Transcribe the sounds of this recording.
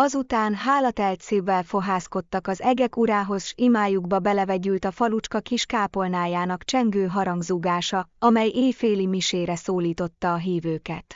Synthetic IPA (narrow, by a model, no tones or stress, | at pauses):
ɒzut̪aːnɦaːlɒt̪ɛlt̪siːvːɛlfo̞ɦaːsko̞t̪ːɒkɒzɛɡɛkuɾaːɦo̞zʃimaːjuɡbɒbɛlɛvɛɟylt̪ɒfɒlut͡ʃkɒkiʃkaːpo̞lnaːjaːnɒkt͡ʃɛŋɡøːɦɒɾɒŋɡzuɡaːʃɒɒmɛjʔeːjfeːlimiʃeːɾɛsoːliːt̪o̞t̪ːɒːɦiːvøːkɛt̪